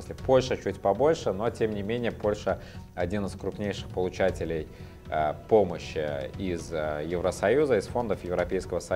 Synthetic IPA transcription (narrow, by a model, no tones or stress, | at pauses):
mɨsʲlʲɪpo̞lʲʂət͡ɕutʲpɐbo̞lʲʂəno̞tʲemnʲɪmʲenʲɪjəpo̞lʲʂə | ɐdʲinɨskɾʊpnʲejʂɨ̥xpəlˠʊt͡ɕætʲɪlʲɪj | po̞məɕːɪɪzjɪvɾəsɐjuzəɪsfo̞nd̪əfjɪvɾɐpʲejskəvəsɐ